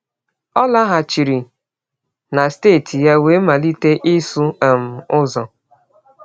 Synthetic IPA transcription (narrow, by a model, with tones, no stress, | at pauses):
ɔ˦la˦ɦa˨t͡ʃi˨ɾi˨ | na˨steː˦˨tʰi˨ja˦we˨˦ma˨li˦te˦ʔi˦su˦a˨m̩˨ʊ˦zɔ˨